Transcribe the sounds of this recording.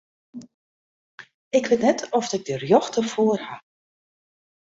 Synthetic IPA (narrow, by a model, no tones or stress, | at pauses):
ɪkʋɪtnɛtʰɔfdɪɡ̚dərjɔxtərfoərha